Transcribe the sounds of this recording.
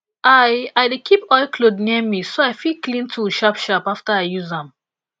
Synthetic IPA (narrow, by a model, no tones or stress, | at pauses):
ʔaɪaɪdekʰipɔɪkʰlodnimisoaɪfilklĩntʰuʃapʃapaftaaɪjuzãm